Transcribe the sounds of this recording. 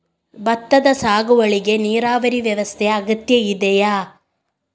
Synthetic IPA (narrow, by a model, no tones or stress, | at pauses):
bɐt̪ːɐd̪ɐsaːɡuʋɐɭiɡe̞niːɾaːʋɐɾiʋjɐʋɐst̪ʰɛjɐɐɡɐt̪jɐid̪ɛjaː